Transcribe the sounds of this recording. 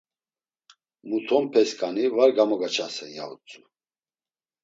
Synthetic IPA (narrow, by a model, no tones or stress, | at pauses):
mut̪ʰɔmpʰɛskʼanivaɾɡamɔɡat͡ʃʰasɛnja̰ut͡sʼu